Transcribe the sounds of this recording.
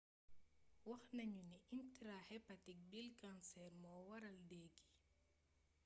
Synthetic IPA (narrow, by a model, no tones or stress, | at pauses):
wɐxnɐɲuniʔintɾahɛpatik̚bilkansɛɾmɔːwɐɾɐldɛːɡi̥